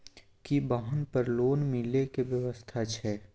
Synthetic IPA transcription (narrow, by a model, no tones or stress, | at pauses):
kibaɦənpəɾloːnmilekeʋjəʋəst̪ʰat͡ʃʰɛː